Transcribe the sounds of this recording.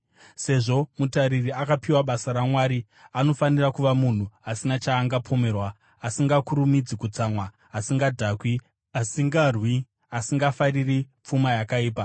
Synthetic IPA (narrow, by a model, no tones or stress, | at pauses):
se̞ʐo̞mutaɾiriakapiwaɓasaɾamwaːɾi | ano̞fanirakuʋamun̤uasinat͡ʃaːŋɡapʰo̞me̞ːrwaː | siŋɡakuɾumid͡zikut͡samwaː | siŋɡadʱakwi | asiŋɡarwi | asiŋɡafaririp͡fumajakaiːpa